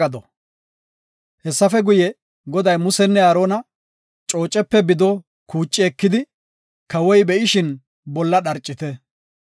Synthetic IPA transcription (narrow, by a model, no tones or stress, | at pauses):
ɐd̪ɔ | hɛsːɐfɛɡʊjɛ | ɡɔd̪ɐjmʊsɛnːɛɐɾoːnɐ | t͡ʃʼo̞ːt͡ʃʼːɛpːɛbɪd̪ɔ | kuːt͡ʃʼːɪɛkːɪd̪ɪ | kɐwɔjbɛʔɪʃɪn | bɔlːɐɗɐɾt͡ʃʼːɪt̪ɛ